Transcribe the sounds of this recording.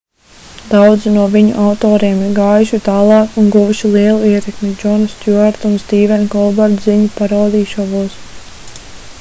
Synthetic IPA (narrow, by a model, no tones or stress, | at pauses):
d̪awd̪zinuɔviɲṵʔawt̪ɔːɾiɛmiɾɡaːjuʃut̪aːlˠɑːkunɡuvuʃilˠiɛlˠuiɛt̪ɛkmʲid͡ʒɔnst̪ʲjuaɾt̪unst̪iːvɛnkɔlˠbaɾd̪ziɲupaɾawd̪iːʃɔvuɔs